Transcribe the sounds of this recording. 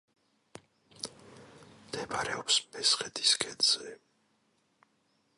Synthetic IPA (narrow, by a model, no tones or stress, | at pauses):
md̪̥ɛbaɾɛɔpsmɛsχɛd̪iskʼɛnz̥ɛ